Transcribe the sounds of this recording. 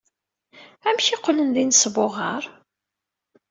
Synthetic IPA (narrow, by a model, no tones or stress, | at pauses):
æmçiqːlənðinsvoʁəɾˤ